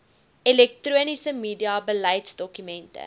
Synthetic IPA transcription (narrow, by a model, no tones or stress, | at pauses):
ɛlɛk̚truənisəmiːdiɑbəlɛjtsdɔkymɛntə̰